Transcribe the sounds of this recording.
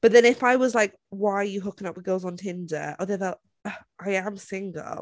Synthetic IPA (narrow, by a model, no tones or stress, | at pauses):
b̥ʌt̪̚ðɨ̃nɨfaɪwʌzlaɪk | waɪə˞jɨɦʊkɪ̃ŋʌp̚wəɡoʊzn̩tʰɪ̃ndə̰˞oʊðəðə | ʌʔaɪɨ̃msɪ̃ŋɡ̰l̩ˠ